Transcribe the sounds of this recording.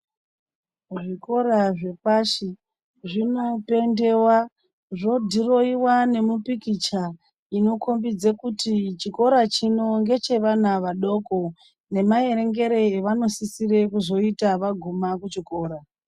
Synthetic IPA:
ʐiko̞ɾaʐe̞paʃi | ʐino̞pe̞nde̞wa | ʐo̞dʱiro̞iwane̞mupikit͡ʃa | ino̞kombid͡zekutit͡ʃiko̞ɾat͡ʃino̞ŋɡe̞t͡ʃe̞ʋanaʋaɗo̞ko̞ | ne̞maje̞ɾe̞ŋɡe̞ɾe̞ːʋano̞sisiɾe̞kuzo̞itaʋaɡʱumakut͡ʃiko̞ːɾa

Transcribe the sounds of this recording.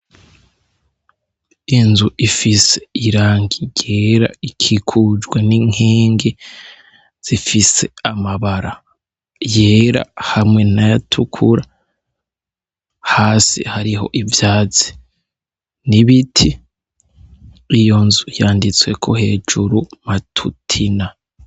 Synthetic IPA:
inzuʔifise̞̥iɾaːŋɡiɟe̞ːɾa̰ikʰikʰud͡ʒɡweniŋeːŋɡe | z̥ifise̞amaβaɾa | je̞ːɾa̰hamŋe̞najatʰukʰuɾa | haːsḭhaɾiɦo̞̰ʔivjaːt͡si̥ | niβitʰi | jo̞nzujaːndit͡swe̞̰kʰo̞he̞ːd͡ʒuɾumatʰutʰina

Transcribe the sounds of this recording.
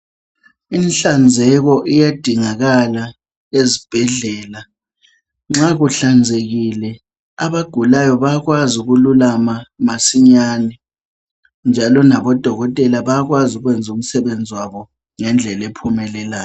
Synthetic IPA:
inɬand͡zʱɛɣɔʔijad̥ʱiŋaɣala | ezib̥ʱɛɮɛːla | ŋ͡ǁaɣuɬand͡zʱeɣilɛ | aβaɡ̥ʱulajɔβaɣwazuɣululamamasiɲaːnɛ | nd͡ʒʱalɔnaβɔd̥ʱɔɣɔtʼɛlaβaɣwazuɣwɛnd͡zʱum̩sɛβend͡zʱiwaβɔ | ŋɛnd͡ɮʱɛlepʰumɛlɛlaːjɔ

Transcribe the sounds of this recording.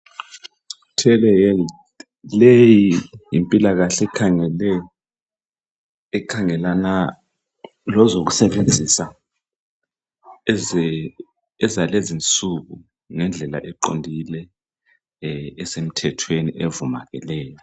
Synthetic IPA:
tʰɛlɛjɛl | lejijimpʼilaɣaɬɛkʰalɛ | ɛkʰaŋɛlana | lɔzok̬usɛɓend͡zʱisa | ɛzalezint͡sʼuɣu | ŋɛnd͡ɮʱɛla̰ʔɛǃo̰ndʱilɛ | ɛsem̩tʰɛtʰweniʔevuma̰ɣɛ̰lɛːjɔ

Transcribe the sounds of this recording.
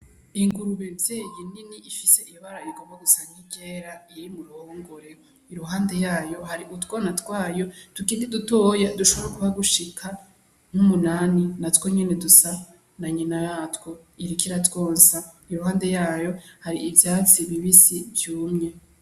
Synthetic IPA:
iŋɡuɾuβez̥ejininiʔifise̞ijoβaɾaiɡoboɡusaɲiɟeɾaiɾimuɾuhhoːŋɡoɾe | iɾuɦaːnde̞jaːjo̞haɾiʔutwonatwaːjo̞d̥ukiːndidutojaduʃo̞βeɾekuβaɡuʃikʰa | ŋ̥umunaːninatwoɲenedusa | naɲinajatwo̞iɾikiɾatwo̞ːnsa | iɾuɦaːnde̞jaːjohaɾiːvjaːt͡siβiβisivjuːmɲe̞

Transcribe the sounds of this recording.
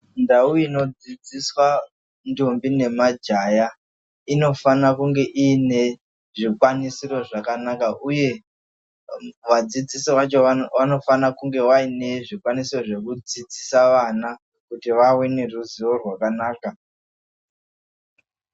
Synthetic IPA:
ndauino̞d͡zid͡ziswa | ndombine̞mad͡ʒaja | ino̞fanakuŋɡe̞ʔiːne̞ | ʐikwanisiro̞ʐakanakaʔuje̞ | ʋad͡zid͡zisiʋat͡ʃo̞ano̞fanakuŋɡe̞waine̞ʐikwanisiro̞ʐe̞kud͡zid͡zisaʋana | kutiʋawene̞ruziwo̞rwakanaːka

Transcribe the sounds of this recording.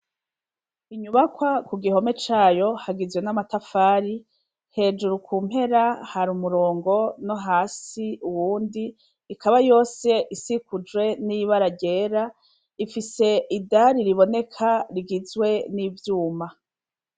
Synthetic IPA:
iɲuβakwakuɡiɦo̞me̞t͡ʃaːjo̞haɡizwe̞namatafaːɾi | he̞ːd͡ʒuɾukuːm̥he̞ɾahaɾumuɾo̞ːŋɡo̞no̞ɦaːsiuwuːndiː | kaβajo̞ːse̞ʔisikud͡ʒɡwe̞niβaɾaɟe̞ːɾa | ifise̞idaɾiɾiβo̞ne̞kʰaɾiɡizwe̞niːvjuːma

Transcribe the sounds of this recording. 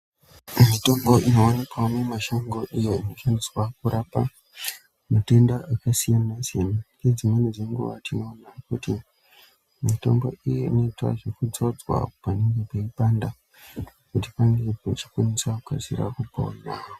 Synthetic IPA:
mito̞mbo̞ʔino̞wanikwamemaʃoŋɡo̞ʔijo̞ino̞faniswakuɾapa | mate̞ndaʔakasijanasijanaiked͡zimeniʐeŋɡṵʋa̰tino̞ːnakuti | mito̞̰mbo̞̰ijeino̞itwa̰ʐifud͡zod͡zwa̰pane̞ŋɡe̞peipanda | kutipaŋɡe̞pet͡ʃi̥kwaniswakuka̰zḭɾa̰kupo̰anaːo

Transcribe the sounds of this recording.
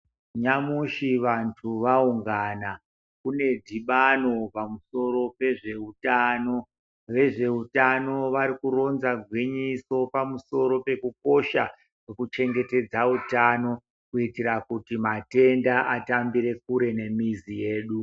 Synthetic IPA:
ɲamuʃiʋantʰuʋauŋɡana | kune̞dʱiɓano̞pamuso̞ɾo̞pe̞ʐe̞utano̞ | ʋe̞ʐe̞utano̞ʋaɾikuro̞nzaɡʱwiɲiso̞pamuso̞ɾo̞pe̞kuk̚o̞ʃa | wwekut͡ʃe̞ŋɡe̞te̞d͡zautano̞ | kuitiɾakutimate̞ndaʔatambiɾe̞k̚uɾe̞ne̞mizije̞ːɗu

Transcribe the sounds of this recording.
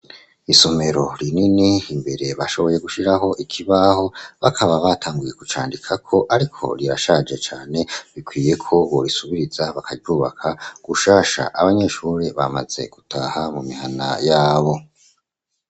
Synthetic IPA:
isome̞ɾo̞ɾininiimbe̞ɾe̞βaʃo̞βo̞je̞ɡuʃiɾaɦo̞ʔikʰiβaho̞βakʰaβaβatʰaːŋɡuje̞kut͡ʃa̰ːndikʰakʰo̞ʔaɾikʰo̞̰ɾiɾaʃad͡ʒe̞t͡ʃaːne̞βikwiːje̞kʰo̞βoɾisuβiɾizaβakʰaɟuːβakʰaɡ̥uʃaːʃa̰ʔaβaɲe̞ʃuːɾeβa̰ma̰ze̞̰ɡ̥utahamumihana̰jaːβo̞

